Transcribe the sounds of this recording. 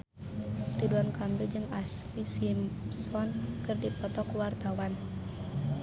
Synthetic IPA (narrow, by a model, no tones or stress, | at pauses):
diduankambild͡ʒɨŋaslisimsɔnkɨrdipɔt̪ɔkuwart̪awan